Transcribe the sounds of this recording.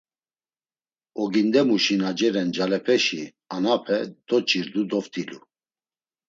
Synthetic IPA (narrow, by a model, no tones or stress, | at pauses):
ɔɡind̪ɛmuʃinad͡ʒɛɾɛnd͡ʒalɛpʰɛʃi | anapʰɛd̪̥ɔt͡ʃʰʼiɾd̪ud̪ɔft̪ʰʼilu